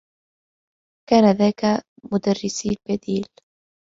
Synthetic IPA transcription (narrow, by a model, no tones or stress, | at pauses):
kaːnaðaːka | mʊd̪arːɪsiːlbad̪iːl